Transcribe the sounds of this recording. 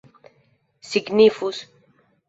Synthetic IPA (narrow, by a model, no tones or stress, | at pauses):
siɡnifus